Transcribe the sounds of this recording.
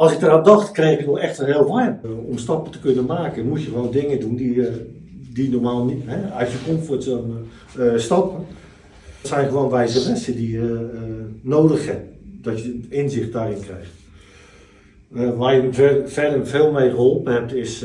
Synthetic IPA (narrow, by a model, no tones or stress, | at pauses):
ɔlˠsɪk̚dəraːndɔxtkrexɪkətnɔxɛxtənheːlˠʋajnɔmstɔpəntə̥kønənmaːkənmutjəxəʋoːndɪŋədundiədinormaːlˠniɦɛasjəkomtfotən | stɔpən | tsɛjnxəʋoːnʋɛjzəʋɛnsədijə | noːdəxɛp̚d̥ɔtjəɪnzɪxt̚daːrɪnkrɛjxt | ʋaːjəfɛdənfeːlˠmejɣəholˠpənhɛp̚tɪs